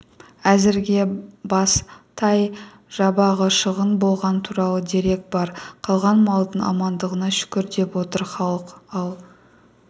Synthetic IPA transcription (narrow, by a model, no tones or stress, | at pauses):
æzɪɾɡʲe̞bɑst̪ʰɑj | ʒ̥ɑbɑʁəʃəʁənbo̞lˠʁɑnt̪ʰuɾɑlˠəd̪e̞ɾe̞k̚bɑɾqʰɑlˠʁɑnmɑlˠd̪əɴɑ̰mɑnd̪əʁənɑʃʏ̥kʲɪɾd̪e̞pwo̞t̪əɾχɑlˠəqɑlˠ